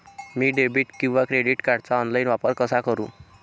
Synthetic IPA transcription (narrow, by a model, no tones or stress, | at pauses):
miːɖebiʈkĩw̃ʋakɾeɽiʈkaɾɖt͡saɔnlajnʋapəɾkəsakəɾṵ̃